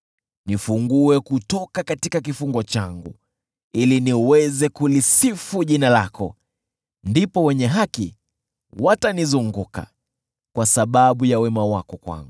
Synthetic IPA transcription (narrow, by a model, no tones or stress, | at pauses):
nifuŋɡuɛkutɔkakatikak̬ifuŋɡɔt͡ʃaŋɡṵ | iliniwɛzɛkulisifuʄinala̰kɔ̰ | ndipɔwɛɲɛɦakḭ | watanizuŋɡuka̰ | kwasaɓaɓujawɛmawakɔkwa̰ŋɡu